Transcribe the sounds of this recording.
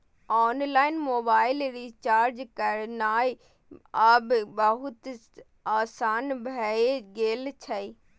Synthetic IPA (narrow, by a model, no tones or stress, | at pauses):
ɔːnlaːɪnmoːbaːɪlɾiːt͡ʃaːɾd͡ʒkɐɾnaːi | aːbbəɦʊt̪ | aːsaːnbʱɐeɡeːlt͡ʃʰɐi